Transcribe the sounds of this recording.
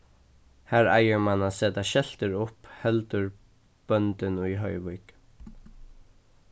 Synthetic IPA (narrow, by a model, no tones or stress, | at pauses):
hæːɹa̰jəɹmanaːseːt̪aʃɛlt̪əɹʊphɛlt̪ʏɹ | b̥œnt̪ɪnujɦœʏʋʊk